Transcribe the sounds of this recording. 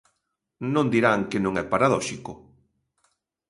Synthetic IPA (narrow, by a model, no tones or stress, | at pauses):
nõnd̪iɾaŋkɪnõŋɛpaɾaðɔʃikʊ